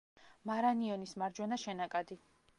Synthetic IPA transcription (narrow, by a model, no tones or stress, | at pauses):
maɾaniɔnismaɾd͡ʒwɛnaʃɛnakʼad̪i